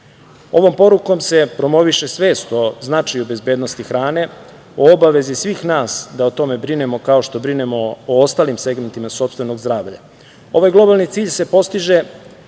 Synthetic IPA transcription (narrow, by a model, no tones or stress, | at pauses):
o̞ʋo̞mpo̞ɾuko̞mse̞pɾo̞mo̞ʋiʃe̞sʋe̞ːst̪o̞znat͡ʃajube̞zbe̞ːd̪no̞st̪ixɾaːne̞ | oobaʋe̞zisʋiːxnaːsd̪aot̪o̞me̞bɾine̞mo̞kao̞ʃt̪o̞bɾinemo̞ːost̪aːlimse̞ɡme̞nt̪imaso̞pst̪ʋe̞no̞ɡzd̪ɾaːʋʎa̰ | o̞ʋajɡlˠo̞balˠnit̪siːʎse̞po̞st̪iʒe̞